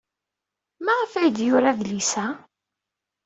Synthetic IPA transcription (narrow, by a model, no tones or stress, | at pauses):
maʁəfæjəd̪jʊɾaðlisæ